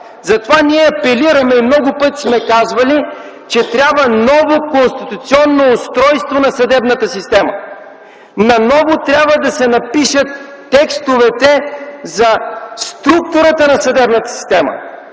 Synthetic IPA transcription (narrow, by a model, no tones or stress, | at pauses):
zɐt̪ovaniɛɐpɛliɾəmɛimnɔɡʊpɤt̪i̥smɛkazvɐli | t͡ʃɛt̪ɾʲabvənɔvokonst̪it̪ʊt̪siɔnːoːst̪ɾɔjst̪vonɐsɐd̪ɛbnət̪əsist̪ɛmɐ̰ | nɐnɔvot̪ɾʲabvəd̪ɐsɛnɐpiʃət̪ː | ɛkst̪ovɛt̪ɛzɐst̪ɾuk̚t̪ʊɾət̪ənɐsɐd̪ɛbnɐt̪ə̥si̥st̪ɛmɐ̰